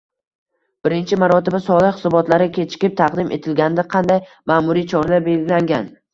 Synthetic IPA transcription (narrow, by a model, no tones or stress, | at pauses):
b̥ɪɾɪnt͡ʃʰɪmaɾɒt̪ɪbasɒlˠɪχhɪ̥sɒbɒt̪laɾɪkʲʰe̞t͡ʃʰɪ̥kʲɪp̚t̪ʰɑqd̪ɪmʔe̞̰t̪ʰɪlɡʲanɪd̪aqʰɑnd̪aj | maːmʊɾijt͡ʃʰɒɾlaɾbe̞lɡʲɪlaŋɡʲan